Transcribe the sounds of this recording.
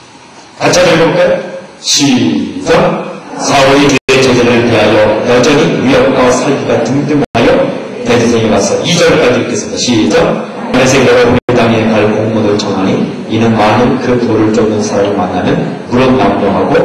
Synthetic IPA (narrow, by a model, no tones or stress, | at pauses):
kat͡ɕʰadɯɭɡok͈anɕʰisʌmsʰaoɾituɾet͡ɕed͡ʑedɯɾɯɭte̞ɦajʌjʌd͡ʑʌɲiijʌk̚kwasʰaɭɡiɡatɯŋdɯmaɦajʌ | tetʰosʰeŋewasʰʌid͡ʑʌɭk͈ad͡ʑiɯk͈es͈ʌdaɕʰid͡ʑʌm | anesʰejʌɾʌomɯtaŋekaɭkoŋmodɯɭt͡ɕʰʌŋɦaɲi | inɯnmanɯnkɯpoɾɯɭt͡ɕ͈oŋnɯnsʰaɾaɾɯɭmanːanɯn | kuɾʌnːamdoɦaɡo